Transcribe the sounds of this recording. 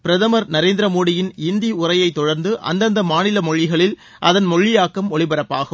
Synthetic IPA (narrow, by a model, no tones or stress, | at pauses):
pɪɾɐðɐmɐɾnɐɾeːnd̪ɪɾɐmoːɽɪjɪnɪnd̪iʊrɐjɐɪt̪ːɔɽɐɾnd̪ɯʔɐ̰nd̪ɐnd̪ɐmaːnɪlɐmɔɭːɪɣɐɭɪl | ʔɐðɐnmɔɭːɪjaːkːɐmɔɭɪbɐɾɐpːaːɣɯ